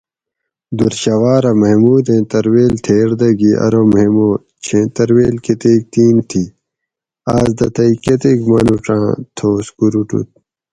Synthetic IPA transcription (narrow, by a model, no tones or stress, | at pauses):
d̪uɾɕɐwaːɾɐmɐɦemuːd̪ẽt̪ɐɾweːlt̪ʰeːɾd̪ɐɡiʔɐ̰ɾomɦemoː | t͡ɕʰẽt̪ɐɾweːlket̪eːk̚t̪iːnt̪ʰi | aːzd̪ɐt̪ɐiket̪ekmɐnuʈ͡ʂã̰ːt̪ʰoːskuɾuʈṵt̪̚